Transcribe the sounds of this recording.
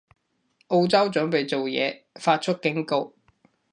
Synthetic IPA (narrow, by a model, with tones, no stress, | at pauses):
ʔo˧wt͡sɐ˥wt͡sɵ˨˥ŋpe˨jt͡so˨wjɛ̰ː˨˧ | faː˧t̚t͡ʃʰɵ˥t̚kɪ˨˥ŋko˧w